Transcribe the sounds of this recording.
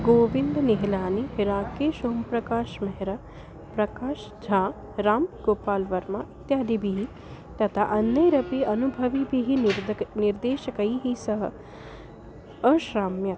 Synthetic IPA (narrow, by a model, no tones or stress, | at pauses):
ɡoːʋɪnd̪niɦɪlaːniɦɪɾaːkeːʃoːmpɾɐkaːʃmɐɦɪɾɐ | pɾɐkaːʃ | d͡ʒʱaː | ɾaːmɡoːpaːlʋɐɾmait̪jaːd̪ibʱiɦi | t̪ɐt̪ʰaʔɐnːɐjɾɐpiɐnubʱɐʋibiɦinɪɾd̪eːʃɐkɐiɦisɐɦə̰ | ɐʃɾaːmjɐt̪